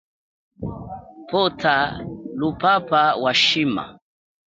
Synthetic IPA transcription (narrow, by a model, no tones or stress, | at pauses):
pɔtʰalupapawaʃima̰